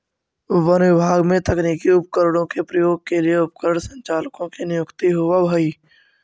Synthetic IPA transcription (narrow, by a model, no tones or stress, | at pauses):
ʋənʋɪbʱaːɡmẽt̪ɐknikiʊp̚kəɾɽ̃õkepɾəjoːɡ̚kelieʊp̚kəɾɽsə̃ɲt͡ʃaːlkõkinɪjʊkt̪iɦʊʋabʱɐiː